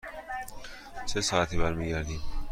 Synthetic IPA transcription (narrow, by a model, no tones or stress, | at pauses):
t͡ʃʰesɑæt̪ʰibæɾmiːɡæɾd̪iːm